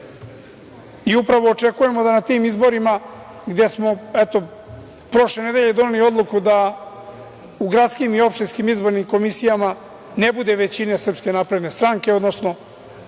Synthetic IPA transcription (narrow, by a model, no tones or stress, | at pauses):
iupɾaʋo̞ːt͡ʃe̞kuje̞mod̪anat̪iːmizbo̞ɾima | ɡd̪e̞smo̞ɛt̪o̞ | pɾo̞ʃle̞ne̞d̪e̞ʎe̞d̪o̞neliod̪lˠukud̪a | uɡɾat̪skimio̞pʃt̪inskimizbo̞ɾnimko̞misijama | ne̞bud̪e̞ʋe̞t͡ɕine̞sr̩pske̞napɾe̞d̪ne̞st̪ɾaŋke̞o̞d̪no̞sno̞